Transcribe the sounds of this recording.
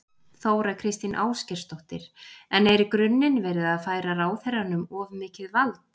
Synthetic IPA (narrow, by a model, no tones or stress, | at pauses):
θoːwɾakʰɾɪst̪inʔa̰ːwscɛr̥st̪ɔht̪ɪɾ̥ɛnɛɾɪkɾʏnːɪnvɛːjɾɪðaðfaːjɾaɾaːwθeranʏmɔːvmɪːcɪðvalt̪